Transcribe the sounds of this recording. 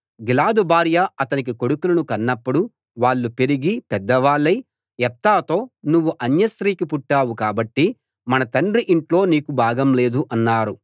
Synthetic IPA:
ɡilaːd̪ubʱaːɾjaɐt̪ɐnik̬iko̞ɽukulɐnukɐnːɐpːuɽu | ʋaːɭːupeɾiɡipɛd̪ːɐʋaːɭːɐj | ɛp̚t̪aːt̪o̞ːnuʋːuʔɐnjɐst̪ɾiːkipuʈːaːwukaːbɐʈːi | mɐnɐt̪ɐɳɖɾiʔiɳʈlo̞ːniːkubʱaːɡɐmle̞ːd̪uʔɐnːaːɾu

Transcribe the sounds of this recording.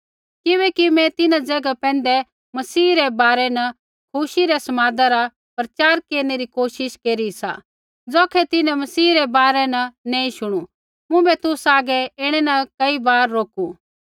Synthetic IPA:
kɪβɛːkimɛ̃t̪ɪnãd͡zɛɡapɛ̃ːn̆d̪ɛ | mɐsiːɾɛbaːɾɛnɐ | kʰuʃiɾɛsɐmaːd̪aɾa | pɾɐt͡ʃaːɾkeːɾñeɾikoːʃɪʃkeːɾisa̰ | d͡zoːkʰɛt̪ɪnɛ̃mɐsiːɾɛbaːɾɛnɐnɛ̃ːĩʃʊɽ̃u | mʊ̃bɛt̪ʊsaːɡɛɪɽ̃ɛnɐkɐibaːɾːoːkũ

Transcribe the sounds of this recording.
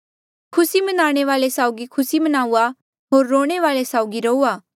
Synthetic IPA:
kʰʊsimɐnaːɽ̃eʋaːlesaːʊɡikʰʊsimɐnaːua | ɦoːɾːoːɽ̃eʋaːlesaːʊɡiɾɐuaː

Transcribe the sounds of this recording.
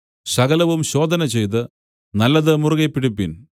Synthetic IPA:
ɕɐɡɐlɐʋumɕo̞ːd̪ʱɐnɐt͡ɕe̞jt̪̬ɨ | nɐlːɐðɨmuruɣepːiɽipːin

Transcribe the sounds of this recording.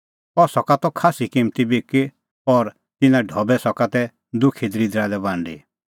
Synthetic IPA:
ɔsɔkat̪ɔkʰaːsikɪmt̪ibiki | ɔɾ | t̪ɪnãɖʱɔbɛsɔkat̪ɛ | d̪ʊkʰid̪ɾid̪ɾalɛbãːɳɖḭ

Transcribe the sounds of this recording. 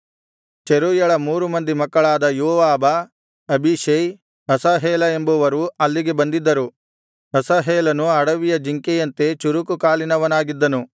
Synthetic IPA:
t͡ʃeɾuːjɐɭɐmuːɾumɐnd̪imɐkːɐɭaːd̪ɐjoːʋaːbɐ | ɐbiʃɐj | ɦɐsaɦeːlɐe̞mbuʋɐɾuɐlːiɡe̞bɐnd̪id̪ːɐɾu | ɦɐsaɦeːlɐnuɐɽɐʋijɐd͡ʒiŋkejɐnt̪e̞t͡ʃuɾukukaːlinɐʋɐnaːɡid̪ːɐnu

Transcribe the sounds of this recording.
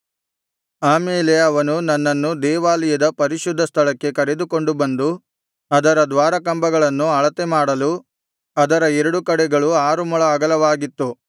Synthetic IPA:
aːmeːleɐʋɐnunɐnːɐnːud̪ɛːʋaːlijɐd̪ɐpɐɾiʃud̪ʱːɐst̪ʰɐɭɐkːe̞kɐɾe̞d̪uko̞ɳɖubɐnd̪u | ɐd̪ɐɾɐd̪ʋaːɾɐkɐmbɐɡɐɭɐnːuɐɭɐt̪emaːɽɐlu | ɐd̪ɐɾɐɛɾɐɽukɐɽɛɡɐɭuaːɾumɔɭɐːɡɐlɐʋaːɡit̪ːu

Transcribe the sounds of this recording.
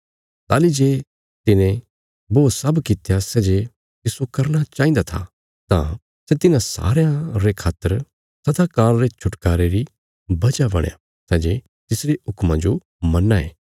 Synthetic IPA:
t̪aːlid͡ʒeː | t̪ɪnẽ | boːsɐbkɪt̪jasɛːd͡ʒe | t̪ɪsokɐɾnat͡ʃaːĩnd̪at̪ʰa | t̪ã̰ | sɛt̪ɪnãsa̰ːɾjãɾekʰaːt̪ːəɾ | sɐd̪akaːɾɾet͡ʃʰʊʈkaːɾeɾi | bɐd͡ʒabɐ̰ɽja̰ | sɛːd͡ʒe | t̪ɪsɾeʊkmãd͡ʒo | mɐnːaḛː

